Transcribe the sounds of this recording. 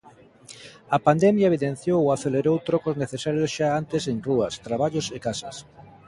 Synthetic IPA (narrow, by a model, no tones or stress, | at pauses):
ɐpand̪emjaeβiðẽn̟θjowoaθeleɾowt̪ɾɔkozneθesaɾjosʃaant̪eseŋruɐst̪ɾaβaʎosekasas